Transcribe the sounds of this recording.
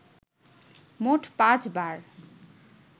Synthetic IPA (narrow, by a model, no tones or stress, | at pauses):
moʈʰpãt͡sbaɾ